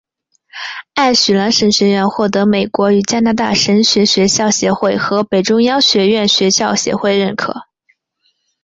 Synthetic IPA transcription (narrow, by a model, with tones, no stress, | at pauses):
a˥˩ɪɕy˨˩la˧˥nʂə˧˥nɕɥɛ˧˥ɥɛ˥˧nxwɔ˥˩t̪̬ɤ˧˥me˨˩ɪkwɔ˧˥y˨˩t͡ɕja˥na˧˥t̪a̰˥˩ʂə˧˥nɕɥɛ˧˥ɕɥɛ˧˥ɕjɑ˥˩ʊɕjɛ˧˥xwe˥˩ɪxɤ˧˥pe˨˩ɪʈ͡ʂʊ˥ŋjɑ˥ŋɕɥɛ˧˥ɥɛ˥˩nɕɥɛ˧˥ɕjɑ˥˩ʊɕjɛ̰˧˥xwe˥˧ɪɻə˥˩nkʰɤ̰˨˩˦